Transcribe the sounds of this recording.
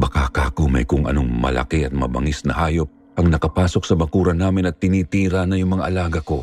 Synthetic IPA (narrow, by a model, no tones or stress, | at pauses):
bɐkakaːkomɐ̰jkʊŋʔɐ̰no̞ŋmɐ̰lɐ̰kiʔɐt̪̚mɐ̰bɐ̰ŋisnɐ̰ɦaːjo̞p̚ | ʔɐŋnɐkɐpaːso̞k̚sɐmɐkuːɾɐnaːmɪnɐt̪ːɪniːt̪iːɾɐnɐjʊŋmɐŋaʔɐlaːɡɐko̞